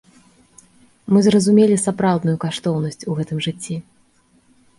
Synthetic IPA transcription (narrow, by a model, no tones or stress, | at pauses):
mɨzrɐzumʲelʲisapɾawd̪nujukaʂt̪ɔwn̪ɐsʲt͡sʲuɣɛt̪ɨmʐɨt͡sʲːi